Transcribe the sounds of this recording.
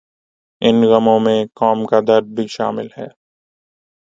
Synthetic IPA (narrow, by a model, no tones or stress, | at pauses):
ɪnɣɐmõmẽkɔːmkad̪ɐɾd̪̚bʱiʃa̰ːmɪlɦɛ̰ː